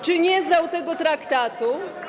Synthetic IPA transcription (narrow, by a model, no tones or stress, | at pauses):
t͡ʂɘɲɛznawt̪ɛɡɔt̪ɾakt̪at̪u